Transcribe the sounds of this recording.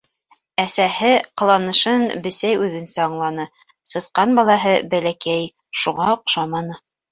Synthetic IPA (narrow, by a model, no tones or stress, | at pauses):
æsæhɘqɤ̆lˠɑnɤ̆ʃɤnbɘ̆sæjʉðɘ̆nsæɑɴlˠɑnɤ | sɤ̆sqɑnbɑlˠɑɦɤbælækæj | ʃuʁɑoqʃɑmɑnɤ